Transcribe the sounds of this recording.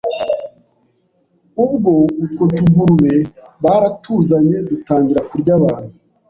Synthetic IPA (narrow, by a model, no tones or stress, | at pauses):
ub̚ɡo̞ukotuɡuɾwe̞βaɾatuːzaɲe̞dutaːɲɟiɾakuɾɟaβaːn̥hu